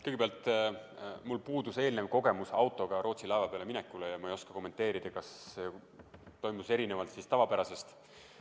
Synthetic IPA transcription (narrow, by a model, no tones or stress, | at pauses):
kɤjɡ̥ebeɑlt̪ˑ | mulpuːd̪use̞ːlnevko̞ɡ̥e̞musɑwt̪ːˑo̞ɡ̥ɑɾo̞ːt̪silɑevɑpeɑleminekːˑulejɑmɑejo̞skɑ̥ko̞mːe̞nt̪ːˑe̞ːɾid̪̥ɑkɑse | t̪o̞jmuse̞ɾine̞vɑlt̪sist̪ɑvɑpæɾɑse̞st̪